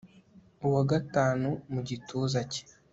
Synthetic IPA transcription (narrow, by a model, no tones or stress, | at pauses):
uwaɡataːnumuɟituːzace̥